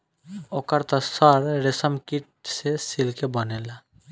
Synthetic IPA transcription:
ɔkaɾt̪ɔsɔɾɾesɔmkiʈ̚sesilkebɔnela

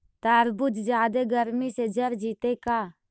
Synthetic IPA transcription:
t̪aːɾbʊt̪d͡ʒjaːd̪eɡəɾmised͡ʒɐɾd͡ʒiːt̪ekaː

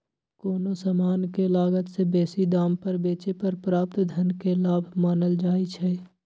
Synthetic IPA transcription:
koːnosamaːnkelaːɡət̪sebɛːsid̪aːmpəɾbeːt͡ʃepəɾpɾaːp̚t̪d̪ʱənkelaːbʱmaːnəld͡ʒaːit͡ʃʰɛː

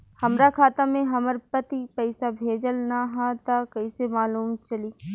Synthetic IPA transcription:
hɐmɾakʰaːt̪amẽɦɐməɾpɐt̪ipɛɪsabʱeːd͡ʒəlnaɦat̪akɐisemaːluːmt͡ʃɐliː

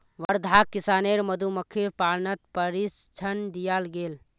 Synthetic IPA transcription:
ʋəɾd̪ʱakːisaneɾməd̪ʱuməkʰːiɾpalnət̪̚pəɾist͡ʃʰənd̪ijalɡel

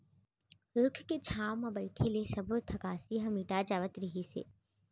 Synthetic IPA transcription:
ɾʊkʰket͡ʃʰaːwmɐ̃bɐɪʈʰelesɐbʱt̪ʰɐkaːsiɦɐmiːʈad͡ʒaːʋət̪ɾɪɦisḛː

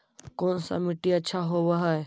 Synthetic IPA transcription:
koːnsã̰mɪʈiɐːt͡ʃʰaɦoʋaɦae

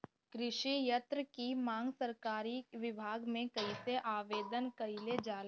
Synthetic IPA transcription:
kɾɪʃijət̪ɾəkimãːŋɡsəɾkaːɾiʋɪbʱaːɡmẽkɐiseʔaːʋeːd̪ənkɐiled͡ʒaːl

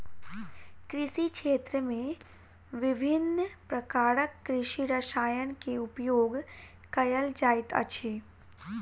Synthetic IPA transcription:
kɾɪʃikʃeːt̪ɾəmẽ | ʋɪbʱɪnːpɾəkaːɾəkːɾɪʃiɾəʃaːjənkeʊpjoːɡ | kɐjəld͡ʒaːɪt̪ə̰t͡ʃʰeː

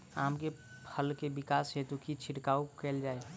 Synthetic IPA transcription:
aːmke | pʰəlkebɪkaːsɦet̪ukit͡ʃʰɪʈkaːukɛːld͡ʒaːe

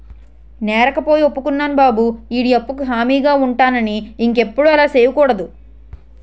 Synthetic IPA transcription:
nɛːɾɐkɐpo̞ːjio̞pːukunːaːnubaːbuiɽiɐpːukuɦaːmiːɡaːuɳʈaːnɐniːŋke̞pːuɽuɛlaːseːʋukuːɽɐd̪u

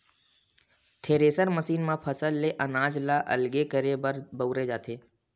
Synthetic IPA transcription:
t̪ʰeːɾeːsəɾməsiːnmãpʰəsəlːeʔənaːd͡ʒlaʔə̰lɡekəɾebəɾbəʊɾed͡ʒaːt̪ʰeː

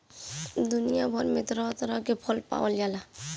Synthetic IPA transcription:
d̪ʊnijabʱɔɾmet̪ɾɔt̪ɾəkepʰɔlpa̰wəljaːla

